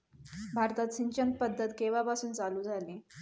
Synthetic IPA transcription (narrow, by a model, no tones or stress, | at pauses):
bʱaɾt̪at̪ɕiɲt͡ɕənt̪̚pəd̪ʱːət̪keʋapasuːnt͡saluːd͡zʱaliː